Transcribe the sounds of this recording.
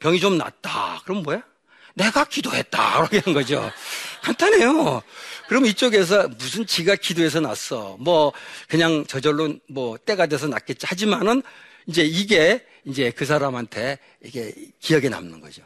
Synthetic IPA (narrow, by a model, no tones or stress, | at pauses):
pjʌŋit͡ɕomna̰t̚t͈a̰kɯɾʌmmʌja | ne̞ɡakidoɦe̞t̚t͈a̰ɾʌkʰeɦanɡʌd͡ʑo̰kantʰane̞jokɯɾʌmit͡ɕ͈oɡe̞s̬ʰʌmus̬ʰɯnt͡ɕiɡakidoe̞s̬ʰʌna̰s͈ʌmwʌkɯɲaŋt͡ɕʌd͡ʑʌɭːonmwʌt͈e̞ɡadwe̞s̬ʰʌna̰t̚k͈e̞t̚t͡ɕihad͡ʑimanɯn | ind͡ʑe̞iɡe̞ | ind͡ʑe̞kɯs̬ʰaɾamɦantʰe̞ | ikʰḛkijʌɡe̞na̰mnɯnɡʌd͡ʑo